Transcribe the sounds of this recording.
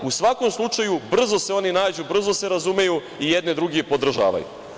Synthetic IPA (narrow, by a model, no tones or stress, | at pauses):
usʋako̞mslˠut͡ʃajubr̩zo̞se̞o̞ninaːd͡ʑubr̩zo̞se̞ɾazume̞ju | ijed̪ned̪ɾuɡie̞po̞d̪r̩ʒa̰ːʋa̰jṵ